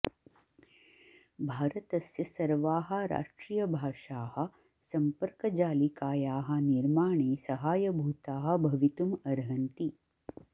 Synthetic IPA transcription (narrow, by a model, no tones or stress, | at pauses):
bʱaːɾɐt̪ɐsjɐsɐɾʋaːɦɐ̆ɾa̰ːʃʈɾiːjɐbʱaːʃaːhɐ̆ | sɐmpəɾkɐd͡ʒaːlikaːjaːɦɐ̆niɾmaːɳeːsɐɦaːjɐbʱuːt̪aːɦɐ̆bʱɐʋit̪umɐɾɦɐnt̪i